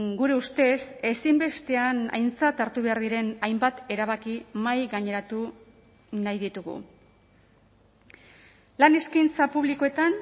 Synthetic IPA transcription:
ɡuɾe̞ust̪e̞se̞simbe̞st̪e̞ana̰jnt͡sat̪aɾt̪uβe̞aɾðiɾe̞najmbat̪e̞ɾaβ̞akimajɣaɲe̞ɾat̪u | najðit̪uɣṵ | lane̞skint͡sapuβlikoe̞t̪an

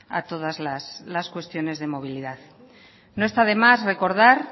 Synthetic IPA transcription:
a̰t̪o̞ð̞azlaslaskwe̞st̪jo̞ne̞zðe̞mo̞βiliðað | noest̪aðe̞masre̞ko̞ɾð̞aɾ

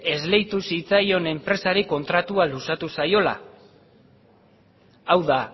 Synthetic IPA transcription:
e̞zle̞jt̪usit͡sajo̞ne̞mpɾe̞saɾiko̞nt̪ɾat̪ualusat̪usajo̞la̰ | awða

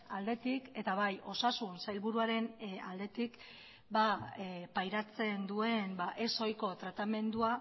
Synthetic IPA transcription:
ald̪e̞t̪ike̞t̪aβajo̞sasunsajlβuɾuaɾe̞na̰ld̪e̞t̪ik | bapajɾat͡se̞nd̪ue̞nbaʔe̞so̞jko̞t̪ɾat̪ame̞nd̪ua

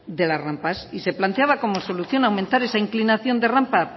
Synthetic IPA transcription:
d̪e̞lasrampasise̞plant̪e̞aβako̞mo̞so̞luθjo̞nawment̪aɾe̞saiŋklinaθjo̞nd̪e̞rampa

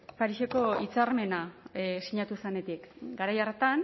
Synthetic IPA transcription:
paɾiʃeko̞it͡saɾme̞nasiɲat̪usene̞t̪ikɡaɾajaret̪an

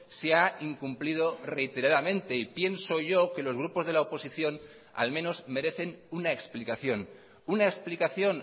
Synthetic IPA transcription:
seaiŋkumplið̞o̞re̞it̪eɾaðamẽ̞nt̪e̞ipje̞nsoʝo̞ke̞lo̞zɣ̞ɾupo̞zðe̞laopo̞siθjo̞n | a̰lmẽ̞no̞zme̞ɾe̞θe̞nunaeksplikaθjo̞n | unaeksplikaθjo̞n

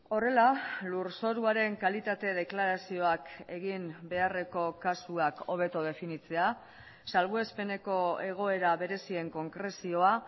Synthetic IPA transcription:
o̞re̞laluɾso̞ɾuaɾe̞ŋkalit̪at̪e̞ðe̞klaɾasio̞ake̞ɣimbe̞are̞ko̞kasuako̞β̞e̞t̪oðe̞finit͡se̞a | salβue̞spe̞ne̞ko̞e̞ɣ̞o̞e̞ɾaβe̞ɾe̞sie̞ŋko̞ŋɡɾe̞sio̞a

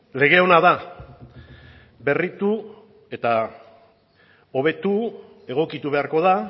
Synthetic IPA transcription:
le̞ɣ̞e̞o̞naða | be̞rit̪u | e̞t̪a | o̞β̞e̞t̪u | e̞ɣ̞o̞kit̪uβe̞aɾko̞ða

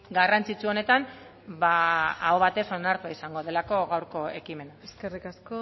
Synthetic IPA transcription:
ɡarant͡sit͡suo̞ne̞t̪an | baːoβat̪e̞so̞naɾt̪uaisaŋɡo̞ðe̞lako̞ɣawɾko̞e̞kime̞naeskerikasko

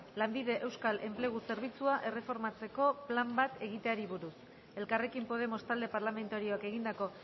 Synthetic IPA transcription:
lambið̞e̞ʔe̞wskale̞mple̞ɣ̞use̞ɾβ̞it͡suaʔe̞re̞fo̞ɾmat͡se̞ko̞plambat̪e̞ɣ̞it̪eaɾiβuɾus | e̞lkare̞kimpo̞ð̞e̞mo̞st̪ald̪e̞paɾlame̞nt̪aɾio̞ake̞ɣ̞ind̪ako̞

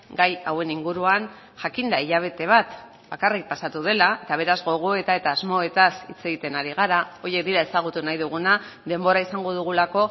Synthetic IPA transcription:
ɡajawe̞niŋɡuɾuan | ʝakind̪aiʎaβ̞e̞t̪e̞β̞at̪ | b̥akarik̚pasat̪uðe̞lae̞t̪aβ̞e̞ɾazɣo̞ɣ̞o̞e̞t̪ae̞t̪aːzmo̞e̞t̪asḭt͡se̞ɣit̪e̞naɾiɣ̞aɾao̞je̞k̚d̪iɾae̞saɣ̞ut̪unajðuɣ̞una | ðe̞mbo̞ɾaisaŋɡo̞ðuɣ̞ulako̞

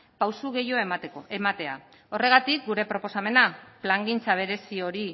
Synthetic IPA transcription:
pawsuɣe̞jo̞emat̪e̞a | o̞re̞ɣ̞at̪ik̚ɡuɾe̞pɾo̞po̞same̞naplaŋɡint͡saβ̞e̞ɾe̞sio̞ɾi

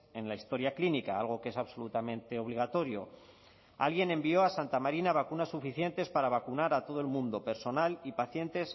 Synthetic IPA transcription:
e̞nlaist̪o̞ɾjaklinikaalɣo̞kee̞saβso̞lut̪amẽ̞nt̪e̞o̞β̞liɣ̞at̪o̞ɾjo̞̰ | a̰lɣ̞je̞nẽ̞mbio̞asant̪amaɾinaβ̞akunasːufiθje̞nt̪e̞spaɾaβ̞akunaɾat̪o̞ð̞o̞e̞lmũnd̪o̞pe̞ɾso̞nalipaθje̞nt̪e̞s

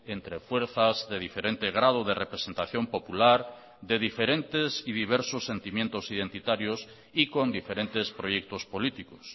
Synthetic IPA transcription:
ent̪ɾefweɾθazðeðifeɾẽnt̪eɣɾað̞oð̞erepɾesent̪aθjompopulaɾ | ðeðifeɾẽnt̪esiðiβ̞eɾsosːent̪imjẽnt̪osiðent̪it̪aɾjos | ikond̪ifeɾent̪espɾojek̚t̪ospolit̪ikos

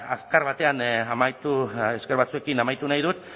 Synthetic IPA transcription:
askaɾβat̪e̞anamajt̪ueskeɾβat͡sue̞kinamajt̪unajðut̪

